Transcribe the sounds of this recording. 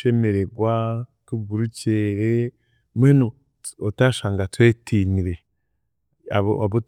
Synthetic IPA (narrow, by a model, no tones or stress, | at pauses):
eme̞ɾe̞ɡwatuɡuɾuceːɾe | mweno | otaʃaːŋɡatwe̞ːtʰiːniɾe̞ | aβo̰aβo